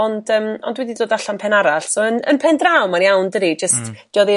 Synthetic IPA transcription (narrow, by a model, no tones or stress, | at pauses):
ɔndəːmɔ̰ndwɛdidoːdaɬanpʰɛnaɾaɬsoənə̰npʰɛndrawmarjawndəɾid͡ʒəstd̥jɔðɪ